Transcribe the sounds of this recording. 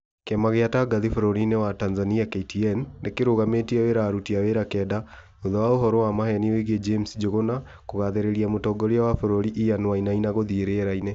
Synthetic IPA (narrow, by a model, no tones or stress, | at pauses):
kɛmaɣeataɡaðifoɾoɾinewatanzaniakeitiɛnːekeɾoɣametiɛweɾaːɾutiaweɾakɛːda | oðawaoɦɔɾɔwamahɛniweɣed͡ʒemsd͡ʒoɣona | koɣaðeɾeɾiamotɔɡɔɾeawafoɾoɾiʔijanwainainaɣoðieɾeɛɾaine